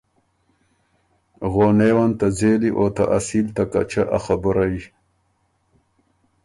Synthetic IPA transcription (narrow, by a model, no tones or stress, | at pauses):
ɣoːnewant̪azeːliʔot̪a̰ʔasiːlt̪aka̰t͡ʃaʔa̰xabəɾai